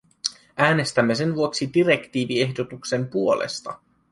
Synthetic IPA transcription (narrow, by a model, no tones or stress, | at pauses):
ʔæːne̞st̪æmːe̞se̞nʋuoksidiɾe̞kt̪iːʋie̞hdo̞t̪ukse̞mpuo̞lḛst̪ɑ